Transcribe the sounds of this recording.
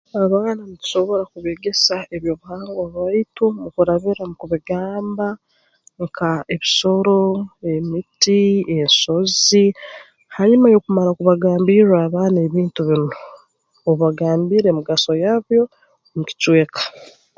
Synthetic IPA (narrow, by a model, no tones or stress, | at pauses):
aβaːnamuci̥ʃo̞βo̞ɾakuβeɡe̞sae̞βjo̞βuhaːŋɡaβaitumukuɾaβiɾamukuβiɡaːmba | ŋkʰae̞βiso̞ɾo̞e̞mitienso̞zi | haɲimajo̞kumaɾakuβaɡaːmbiɾwaːβaːne̞βiːntuβino | oβaɡaːmbiːɾe̞muɡaso̞jaβjo̞ | muci̥cwe̞ːkḁ